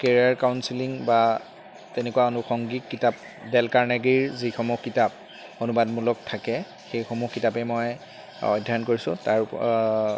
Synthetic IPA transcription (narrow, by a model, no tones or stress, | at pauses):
keɹiaɹkawnsiliŋba | tenekuwaonʊxɔŋɡitkitap̚ | dɛlkaɹnɛɡɹiɹzixɔmuxkitap̚ | onubadmulɔk̚tʰakɛ | xejxomuxkːitapɛmoj | ɔ̰dʱːankoɹisʊ̃taɹ